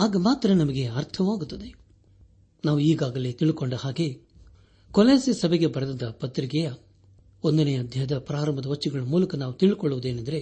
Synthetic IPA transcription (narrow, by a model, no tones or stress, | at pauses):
aːɡɐmaːt̪ɾɐnɐmɐɡe̞ɐɾt̪ʰɐʋaːɡut̪ːɐd̪e̞ | naːʋuiːɡaːɡɐle̞ːt̪iɭkoɳɖɐhaːɡe̞ | kɔleːsesɐbeɡe̞bɐɾɐd̪ɐnd̪ɐpɐt̪ɾikɛjɐ | ond̪ɐnejɐɐd̪ʱjɐɦɐd̪ɐpɾaːɾɐmɐd̪ɐʋɐt͡ʃːiɡɐɭɐmuːlɐkɐnaːʋut̪iɭkoɭːuʋud̪eːnɐnd̪ɐɾe̞